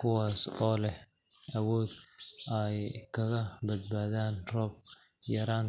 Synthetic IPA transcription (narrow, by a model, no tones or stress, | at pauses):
kʰʊwaːsɔːlɛ | ʔɐwɔːd̪ɛjkʰɐɣɐbɐd̪̚baːðaːnrɔːb̚ | jɐɾaːn